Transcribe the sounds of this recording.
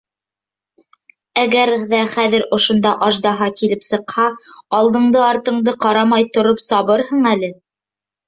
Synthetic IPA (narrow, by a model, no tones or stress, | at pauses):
æɡæɾðæχæðɘɾŏʃŏnd̪ɑʔɑʒd̪ɑɦɑkilɘpsɤ̆qhɑɑlˠd̪ɤ̆ɴd̪ɤɑɾt̪ɤ̆ɴd̪ɤqɑɾɑmɑjt̪ŏɾopsɑβɤɾhɤɴælɘ